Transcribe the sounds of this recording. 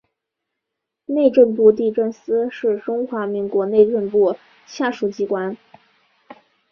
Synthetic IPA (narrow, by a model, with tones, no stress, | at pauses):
ne˥˧ɪʈ͡ʂə˥˧npu˥˧t̪̬i˥˧ʈ͡ʂə˥˩nsɹ̩˥ʂɻ̩˥˩ʈ͡ʂʊ˥ŋxwa˧˥mi˧˥ŋkwɔ˧˥ne˥˧ɪʈ͡ʂə˥˧npu˥˩ | ɕja˥˩ʂu˧˥˩t͡ɕi˥kwa˥n